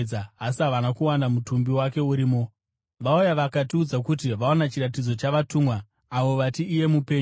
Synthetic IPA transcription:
aasiɦaʋanakuwandamutumbiwake̞uɾiːmo̞ | ʋaujaʋakatiud͡zakut̬iʋaonat͡ʃiɾatid͡zo̞t͡ʃaʋatumwa | aʋo̞ʋatiːje̞mupe̞ːɲ

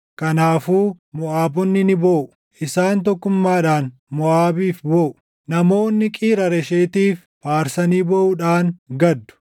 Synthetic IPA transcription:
kɐnaːfuː | mɔʔaːbɔnːɪnɪboːʔʊ̥ | ʔɪsaːnt̪ɔkːʊmːaːᶑaːn | mɔʔaːbiːfbɔːʔʊ̥ | nɐmo̞ːnːɪkʼiːɾɐɾɛʃeːt̪iːf | paːɾsɐniːbɔʔʊᶑaːŋɡɐd̪ːʊ̥

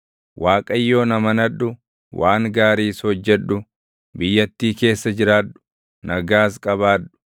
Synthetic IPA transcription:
wʔaːkʼɐjːo̞ːnɐmɐnɐᶑʊ | waːŋɡaːɾiːshɔd͡ʒːɛᶑʊ | bɪjːɐt̪ːiːke̞ːsːɐd͡ʒɪɾaːᶑʊ̥ | nɐɡaːskʼɐβaːᶑʊ̥

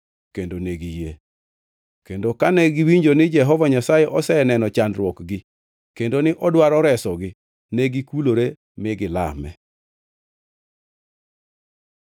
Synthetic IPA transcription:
kendoneɡije | kendokanɛɡiwiɲd͡ʒonɪd͡ʒɛɦɔvaɲasajɛʔɔsɛnɛnɔt͡ʃandɾwɔkɡɪ | kendonɪʔɔdwaɾɔɾɛsɔɡɪ | nɛɡikuloɾe | mɪɡɪla̰mɛ̰

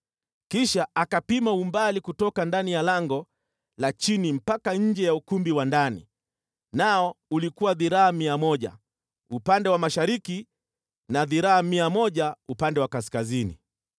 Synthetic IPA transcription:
kiʃaʔakapimaumbalikutɔkandanijalaŋɡɔ | lat͡ʃinim̩pakaɲ̩d͡ʒɛjaukumbiwandanḭ | naɔulikuwaðiɾaamiamɔʄa̰ | upandɛwamaʃaɾiki | naðiɾaamiamɔʄaupandɛwakaskazinḭ

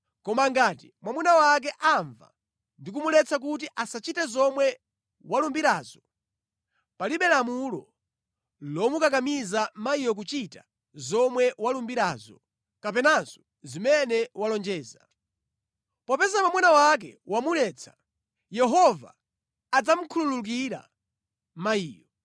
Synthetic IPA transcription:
kɔmaŋɡaːtimwamunawak̬ɛʔaɱva̰ | ndik̬umulɛt͡sak̬ut̬iʔasat͡ʃitɛzɔmwɛ | walumbiɾaːz̥ɔ | paliɓɛlamulɔ | lɔmukak̬amizamaijɔk̬ut͡ʃita | zɔmwɛwalumbiɾaːzɔ | kapɛnaz̥ɔ | zimɛnɛwalɔnd͡ʒɛːza | pɔpɛzapamwanawak̬ɛ̰wamulɛːt͡sʰḁ | jɛɦɔva̰ː | d͡zam̩kʰululuk̬iɾa̰ | maiːjɔ

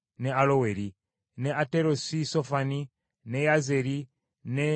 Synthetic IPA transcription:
nealoweɾi | neʔateɾosisofani | nejazeɾi | ne

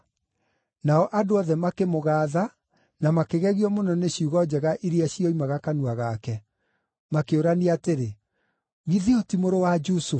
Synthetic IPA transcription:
naɔʔadoɔðɛmakemoɣaːða | namakeɣɛɣiɔmonɔneɕiuɣɔd͡ʑɛɣaʔiɾiaɕiɔimaɣakanuaɣakɛ | makeoɾaniateɾe | ɣiðiotimoɾowad͡ʒusof

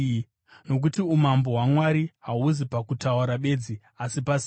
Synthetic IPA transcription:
no̞k̬utiumambo̞ɦwamwaɾiɦauzipakutauɾaɓe̞d͡zi | asipas

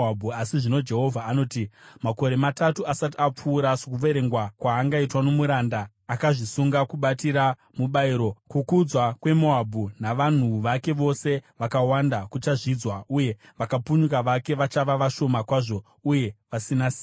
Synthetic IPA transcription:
bʱuasiʐino̞d͡ʒe̞ɦo̞vʱaːno̞ːtimako̞ɾe̞matatuasatiap͡fuːɾasukuʋe̞ɾe̞ŋɡwakwaːŋɡaitwanomuɾandaː | kaʐisuŋɡakuɓatiɾa | muɓaiɾo̞kukud͡zwakwe̞moabʱunaʋan̤uʋake̞ʋo̞se̞ʋakawandakut͡ʃaʐid͡zwauje̞ʋakapuɲuk̬aʋake̞ʋat͡ʃaʋaʋaʃo̞makwaʐo̞ | uje̞ʋasinasiː

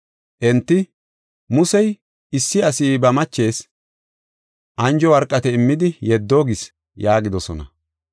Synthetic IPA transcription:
ʔɛnt̪ːɪ | mʊsɛj | ɪsːɪɐsiːbɐmɐt͡ʃːe̞ːs | ʔɐnd͡ʒɔwɐɾkʼːɐt̪ɛɪmːɪd̪ɪjɛd̪ːoːɡɪs | jaːɡɪd̪ɔsɔnɐ̰

